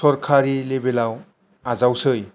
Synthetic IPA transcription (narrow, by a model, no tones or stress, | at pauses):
sɔɾkʰaɾilebelaw | azawsɯj